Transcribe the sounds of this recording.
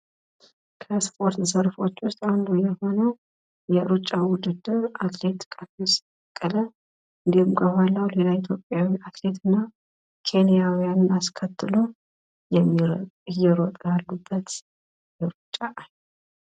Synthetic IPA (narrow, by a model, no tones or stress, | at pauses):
kʰəspʰʼo̞ɾt̪səɾfo̞t͡ʃːwʊst̪ʼand̪ujɛho̞nəw | jɛɾut͡ʃʼːawʊd̪ɨd̪ːɨɾat̪le̞t̪kʼafis | kʼːələ | ɨnd̪ihɨmkʰəβalːəwle̞lait̪ʰjo̞pʼːjawiat̪le̞t̪ɨnːa | kʰe̞nijawijanɨnaskʰət̪ʰːɨlo | jɛmːijɛɾot̪ʼjalːubːət̪ | jɛɾut͡ʃʼːaʔaɲ